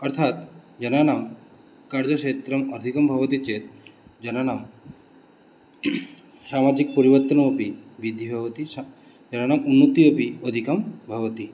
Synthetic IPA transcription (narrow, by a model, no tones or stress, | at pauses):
ɔɾt̪ʰat̪d͡ʒɐnanam | kaɾd͡ʒɔʃet̪ɾɐmɔd̪ʱikɐmbʱɐʋɔt̪it͡ʃet̪d͡ʒɐnanam | samad͡ʒik̚pɔɾiʋɔɾt̪ɔnopibid̪ʱːibʱɐʋt̪i | d͡ʒɐnanamunːot̪iopiɔd̪ʱikɐmbʱɐʋt̪i